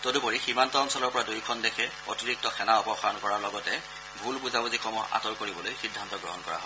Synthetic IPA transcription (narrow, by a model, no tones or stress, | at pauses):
todupoɹiximantɔːnsɔlɔɹpɔɹadujkʰɔndɛkʰɛ | otiɹik̚tɔxɛnaɔpɔxɹankɔɹaɹlɔɡɔtɛ | bʱulpuzabuzixʰɔmɔa̰tɔɹkoɹibɔlojxidʱːantɔɡɹɔɦɔnkɔɹa̰ɦɔ